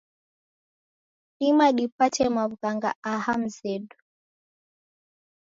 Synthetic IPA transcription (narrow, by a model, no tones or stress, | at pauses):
imaɗipat͡ʃɛmaβukaŋɡa̰aham̩zɛɗu